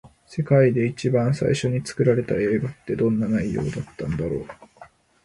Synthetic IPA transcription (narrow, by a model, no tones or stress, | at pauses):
se̞kaid̪e̞it͡ɕibãɰ̃sa̰iɕo̞ɲ̟it͡sɨ̥kɯ̟ɾaɾe̞t̪ae̞ːɡat̪ːe̞d̪õ̞nːanaijo̞̰ːd̪at̪ːãnd̪aɾo̞ː